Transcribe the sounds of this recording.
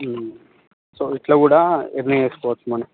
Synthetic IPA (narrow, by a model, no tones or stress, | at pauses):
soːiʈloːkuːɽaeɾnɐjekspoːɾʈsmɐːne